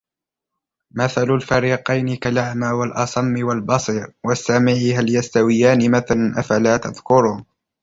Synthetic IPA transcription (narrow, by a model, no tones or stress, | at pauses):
maθalʊlfaɾiːqɑjnɪkalaʕmaːwalʔɑsˤɑmːɪwalbɑsˤiːɾwasːamɪʕɦaljast̪awɪjaːnɪmaθalnʔafalaːt̪aðkʊɾʊːn